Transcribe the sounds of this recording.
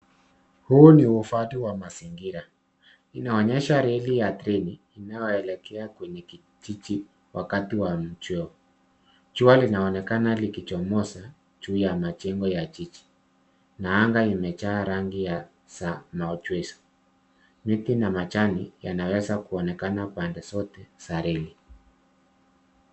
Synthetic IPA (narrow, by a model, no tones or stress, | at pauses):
huːniufatiwamasiŋɡiɾa | inaɔɲɛʃaɾɛlijatɾɛniːnajɔɛlɛkʰɛakwɛɲɛki | t͡ʃit͡ʃi | wʔakatiwam̩t͡ʃwɛɔ | t͡ʃualinaɔnɛkanalikit͡ʃɔmɔsa | d͡ʒuːjamat͡ʃɛŋɡɔjat͡ʃit͡ʃi̥ | naaŋɡaimɛt͡ʃaːɾaŋɡija | samaɔt͡ʃwɛsɔ̥ | mitinamat͡ʃanijanawɛzakuɔnɛkanapandɛsɔtɛsaɾɛli